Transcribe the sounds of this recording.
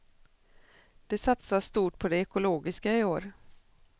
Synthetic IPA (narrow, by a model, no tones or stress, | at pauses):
d̪̥ɛsat̪sasst̪uːʈ̚pʰɔd̪ɛɛkʊloːɡɪskaɪoːɾ